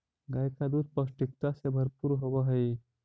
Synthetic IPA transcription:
ɡajkad̪ud̪pəsʈik̚t̪asebʱəɾpuɾɦoʋaɦəj

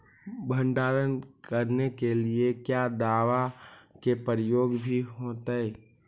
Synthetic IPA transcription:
bʱə̃ɳɖaːɾənkəɾnekeliekjad̪aːʋakepəɾəjoːɡbʱiɦoːt̪aɛ

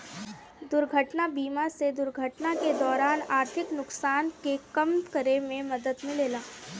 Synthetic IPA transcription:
d̪ʊɾɡʱəʈnabiːmased̪ʊɾɡʱəʈnaked̪ɔːɾaːnaːɾt̪ʰɪknʊksaːnkekɐmkəɾemẽmɐd̪əd̪mɪ̃leːlaː

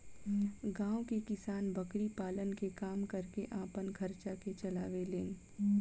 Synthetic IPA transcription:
ɡãːwkekɪsaːnbɐkɾipaːlənkekaːmkɐɾkeʔaːpənkʰɐɾt͡ʃaket͡ʃɐlaːʋeleːn

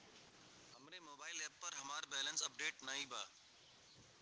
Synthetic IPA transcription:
ɦɐmɾemoːbaːɪlɛːpːɐɾɦɐmaːɾbɛːlə̃nsɐp̚ɖeːʈnaĩbʱaː

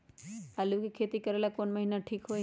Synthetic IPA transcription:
alukikʰeːt̪ikəɾeːlakonməɦinaʈʰiːkɦoː

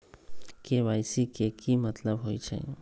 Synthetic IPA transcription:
keʋaːjsikekimət̪ləbɦoit͡ʃʰḛ

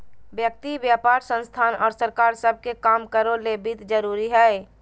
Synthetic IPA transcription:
bjək̚t̪ibjaːpaːɾsə̃nst̪ʰaːnɔːɾsəɾkaːɾsəb̚ʱkekaːmkəɾolebɪt̪d͡ʒəɾuːɾiɦɛː

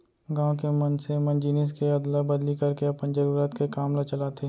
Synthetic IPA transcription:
ɡãːwkemɐnsemɐ̃nd͡ʒiːnɪs̬keɐd̪labɐd̪likɐɾkeɐpənd͡ʒɐɾuːɾət̪kekaːmlat͡ʃɐlaːt̪e

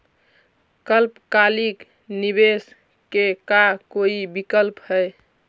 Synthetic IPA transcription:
kəlpkalik | nibes | kekakoibikəlphəj

